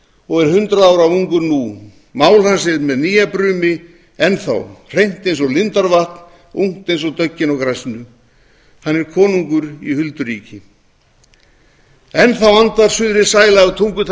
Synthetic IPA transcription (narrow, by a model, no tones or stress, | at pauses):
ɔɣɛɾ̥hʏnt̪ɾaðaːwɾavuŋkʏɾnu | maːwlhansɪmɛðniːjapɾʏːmɪ | ɛnθa̰wr̥ejn̥t̪ejnsɔlɪnt̪aɾvaht̪n̥ | uŋ̥t̪ejnsɔt̪œcːɪnɔwkɾajsnʏ | hanːɛɾ̥kʰɔːnuŋkʏɾḭhʏlt̪ʏɾiːcɪ | ɛnθawant̪aɾ̥sʏðɾɪsaːjlaɣʏt̪ʰuŋkʏt̪ʰ